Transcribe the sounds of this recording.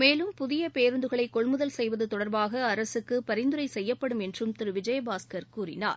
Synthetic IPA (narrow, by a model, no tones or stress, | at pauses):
meːlɯmpʊðɪjɐpeːɾɯnd̪ɯɣɐɭɐɪkːɔɭmɯðɐlsɛjʋɐðɯt̪ɔɽɐɾbaːɣɐːɾɐsɯkːɯpɐɾɪnd̪ɯɾɐɪsɛjːɐpːɐɽɯmɛndrɯmt̪ɪɾɯʋɪd͡ʒɐjɐbaːskɐɾkuːrɪ̰na̰ːɾ